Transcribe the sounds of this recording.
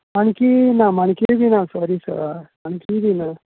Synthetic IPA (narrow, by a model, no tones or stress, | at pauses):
maɳ̃kinamaɳ̃kid̪inasɔɾisə̰maɳkid̪ina